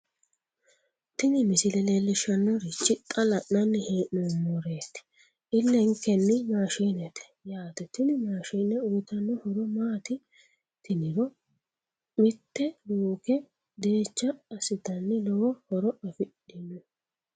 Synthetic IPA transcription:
t̪ɪnɪmɪsɪlɛleːlːɪʃɐnːɔɾɪt͡ʃːɪt̪ʼːɐlɐʔnɐnːɪheːʔumːɔɾeːt̪ːɪ̥ | ʔɪlːɛŋkːɛnːɪmaːʃinɛt̪ɛ̥jaːt̪ɛt̪ɪnɪmaːʃiːnɛʊjɪt̪ɐnːɔhɔɾɔmaːt̪ɪ | t̪ɪnɪɾɔ | mɪt̪ːɛluːkɛ | d̪eːt͡ʃːɐːsɪd̪ɐnːɪlɔwɔhɔɾɔɐfɪɗːɪnːɛ

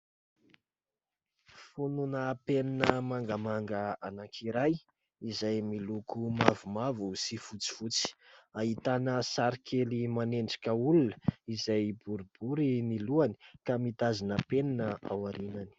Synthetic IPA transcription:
fununəpeninəmaŋɡamaŋɡəanakʰiɾaj | izajmilukʰumavumavusifut͡si̥fut͡si̥aɦit̪anəsaɾikʰelimaneɳɖ͡ʐakʲəulunəizajbuɾib̥uɾiniluani̥kamit̪azinəpeninəawaɾinani̥

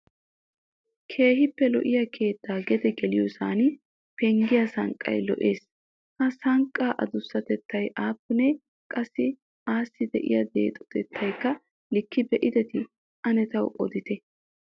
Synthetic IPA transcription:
kʰe̞ːhɪpːɛlɔ̰ʔɪjɐkʰe̞ːt̪ːaːɡɛd̪ɛɡɛlɪjɔsa̰ːnɪ | pɛŋɡɪjɐsɐ̰ŋkʼːɐ̰jlɔ̰ʔeːs | hɐsɐŋkʼːaːʔɐ̰d̪ʊsːɐt̪ɛt̪ʰːɐjʔaːpːʊne | kʼɐsːɪ | aːsːɪd̪ɛʔɪ̰jɐd̪e̞̰ːt̪ʼɔ̥t̪ɛt̪ʰːɐjkːɐ | lɪkːɪbɛʔɪd̪ɛt̪ɪ | ʔɐnɛt̪ɐwʔɔ̰d̪ɪt̪ɛ

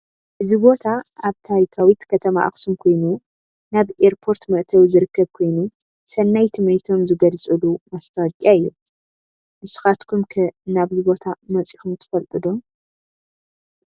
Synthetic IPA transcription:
ʔɨzibo̞t̪ʰaaβt̪ʰaɾikʰawit̪kʰɐt̪ʰɐma̰ʔa̰xsumkʰo̞jnu | naβeɾpʰo̞ɾt̪mɐʔt̪ʰɐwzɨɾɨkːɐβkʰo̞jnu | sɐnːajt̪ʰɨmɾit̪ʰo̞mzɨɡɐlt͡sʼɨlumast̪ʰakʼːaɨjːu | mɨsu̥xat̪kʰumkʰɐnaβzibo̞t̪ʰamɐt͡sʼixumt̪ʰɐ̥fɐlt̪ʼɨd̪om

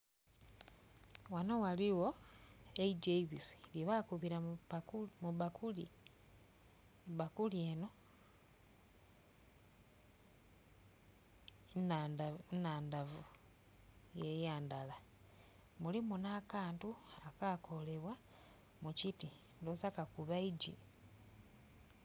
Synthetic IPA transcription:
wano̞waliwo̞ | eiɟeiβisi̥ljiβakuβiɾa | muβakuli | βakulieno̞ | nanaːndavu | jejaːndala | mulimunaːkaːntuakakʰo̞le̞βwa | muciti | ndosakakuβaiɟi

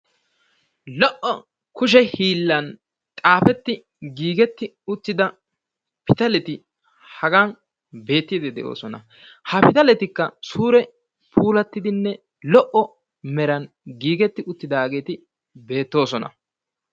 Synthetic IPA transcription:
lɔʔɔ | kʊʃ̬ɛhiːlːɐn | t̪ʼaːfɛt̪ːɪ | ɡiːɡɛt̪ːɪ | ʊt̪ːɪd̪ɐ | pɪt̪ɐlɛt̪ɪ | hɐɡaːn | be̞ːt̪ːɪd̪ɛd̪ɛ̰ʔo̞̰ːsɔnɐ̰ | hɐpɪt̪ɐlɛt̪ɪkːɐsuːɾɛ | pʰuːlɐt̪ːɪd̪ɪnːɛ | lɔʔɔ | mɛɾɐn | ɡiːɡɛt̪ːɪʔʊt̪ːɪd̪aːɡe̞ːt̪ɪ | be̞ːt̪ːo̞ːsɔnɐ̰

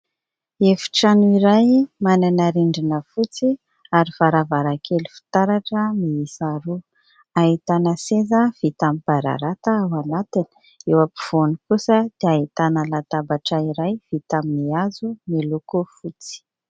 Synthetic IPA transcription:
efi̥ʈ͡ʂanuiɾajmananaɾiɳɖ͡ʐinəfut͡si | aɾifaɾavaɾakʰelufi̥t̪aɾaʈ͡ʂəmiisaɾu | aɦit̪anəsezəv̥it̪amipaɾa̰ɾat̪aawanat̪ini̥ | ewapiv̥onikusəd̪̥eaɦit̪anəlat̪abaʈ͡ʂəiɾajv̥it̪aminiazumilukufut͡si̥

